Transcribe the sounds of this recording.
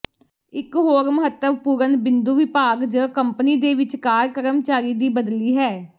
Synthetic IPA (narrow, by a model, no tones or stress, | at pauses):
ɪkɦoːɾməɦət̪ːəʋpuːɾənbɪnd̪uːʋɪpaːɡd͡ʒəːkəmpniːd̪eːʋɪt͡ʃkaːɾkəɾəmt͡ʃaːɾiːd̪iːbəd̪liːɦɛː